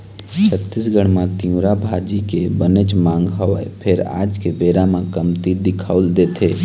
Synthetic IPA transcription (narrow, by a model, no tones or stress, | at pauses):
t͡ʃʰət̪ːɪsɡəɽ̃mãt̪ĩũɾabʱad͡ʒikebənət͡ʃmãːŋɡɦəpʰɪɾa̰ːd͡ʒkebeːɾamãkəmt̪id̪ɪkʰəʊld̪eːt̪ʰeː